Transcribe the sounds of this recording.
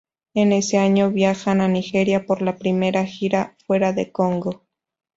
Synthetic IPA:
ene̞seaɲo̞βjaxananixe̞ɾjapoɾlapɾime̞ɾaxiɾafwe̞ɾaðekoŋɡo

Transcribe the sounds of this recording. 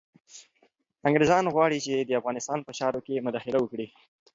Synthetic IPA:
aŋɡɾezɑnɣwɑɽit͡ʃed̪əafɣɑnɪst̪ɑnpəʃɑɾokemʊd̪ɑxɪlawəkɽi

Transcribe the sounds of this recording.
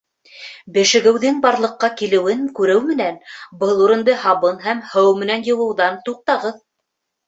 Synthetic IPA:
bɘ̆ʃɘ̆ɡɘ̆wðɘŋbɑɾlˠɤ̆qːɑkilɘ̆wɘŋkʉɾɘwmɘ̆nænbɤlˠuɾɤ̆nd̪ɤhɑβɤnɦæmhɤwmɘ̆nænjɤ̆wɤ̆wðɑnt̪uq̚t̪ɑʁɤð

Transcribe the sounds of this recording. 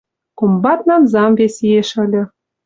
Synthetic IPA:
kombɑt̪nɑnzɑmvesieʃə̆lʲɤ̆

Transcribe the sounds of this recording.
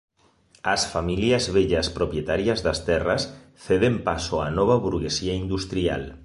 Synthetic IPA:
ɐsfamiliazβeʎaspɾopjet̪aɾjazðɐst̪ɛrɐs | θeðempasoanɔβ̞ɐβuɾɣesiaind̪ust̪ɾia̰l

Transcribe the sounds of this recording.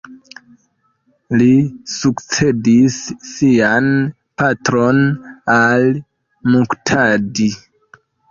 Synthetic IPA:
lisukt͡se̞disːian | patɾonal | muktʰadi

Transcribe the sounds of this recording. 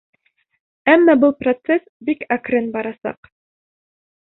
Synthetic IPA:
æmːɑbɤlˠprot̪sesbikakɾɘnbɑɾɑsɑ̰q

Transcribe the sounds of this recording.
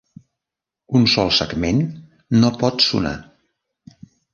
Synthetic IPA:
unsɔlˠsə̰ɡmenː | opɔt̪sṵna̰

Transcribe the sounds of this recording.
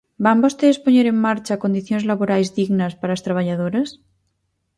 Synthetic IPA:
bambost̪eðespoɲeɾeŋmaɾt͡ʃako̞nd̪iθjonzlaβoɾajzðiɣnaspaɾast̪ɾaβ̞aʎaðoɾas

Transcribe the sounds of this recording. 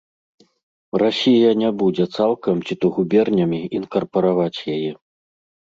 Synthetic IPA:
rasʲijɐnʲabud͡zʲɛt̪salˠkɐmt͡sʲit̪uɣubʲɛrnʲɐmʲiinkɐrpɐɾavat͡sʲjajɛ

